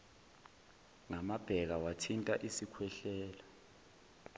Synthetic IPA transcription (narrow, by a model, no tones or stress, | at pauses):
ŋamab̥ʱɛk̬awatʰintʼaʔisikʰwɛɬɛːla